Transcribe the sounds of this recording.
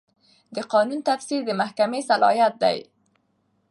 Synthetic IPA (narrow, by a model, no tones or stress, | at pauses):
d̪əqɑnunt̪afsiɾd̪əmahkamesalɑ̰jat̪̚d̪a̰j